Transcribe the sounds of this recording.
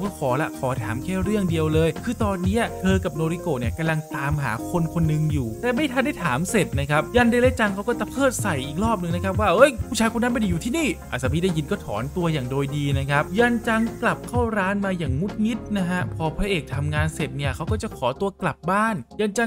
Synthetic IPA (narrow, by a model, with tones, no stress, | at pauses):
wkɔː˥˩kʰɔː˩˦lɛ̰˦˥kʰɔː˩˦t̪ʰaː˨˩˦mkʰɛː˥˩ɾɯ˥˩əŋdi˧əwlɤː˧jkʰɯː˧t̪ɔː˧nːi˦˥ɐt̪ʰɤː˧ka˨˩p̚noː˧ɾi˧koː˨˩ni˥˩ɐka˧mla˧ŋt̪aː˨˦mɦaː˩˦kʰo˧nkʰo˧nːɯ˧ŋjuː˨˩t̪ɛː˨˩ma˥˩jt̪ʰa˧nda˥˩t̪ʰaː˩˦mse˨˩t̪̚na˦˥kʰa˦˥p̚jaː˧nda˧lɛ˦˥t͡ɕa˧ŋkʰa˦˥wkɔː˥˩t̪a˧˦˩pʰɤː˥˩t̪̚sa˨˩jʔiː˨˩k̚ɾɔː˥˩p̚nɯ˧ŋna˦˥kʰa˦˥p̚waː˥˩ʔɤ˦˥˩jʰu˥˩t͡ɕʰaː˧jko˧nːa˦˥ma˧nda˧juː˨˩iː˥˩niː˥˩ʔa˨˩saː˨˧pʰiː˦˥˩da˥˩jːi˧nkɔː˥˩t̪ʰɔ̰ː˩˦nt̪u˧ɐjaː˨˩ŋdoː˧jdiː˧na˦˥kʰa˦˥p̚ja˧nt͡ɕa˧ŋkla˨˩p̚kʰa˥˩wɾaː˦˥nmaː˧jaː˨˩ŋmu˦˥t̪̚ŋi˦˥t̪̚na˦˥ɦa˦˥pʰɔː˧pʰɾa˦˥ʔeː˨˩k̚t̪ʰa˧mŋaː˧nse˨˩t̪̚ni˥˩ɐkʰa˦˥wkɔː˥˩t͡ɕa˨˩kʰɔː˩˦t̪u˧ɐkla˨˩p̚baː˥˩njaː˧nt͡ɕa˧ŋ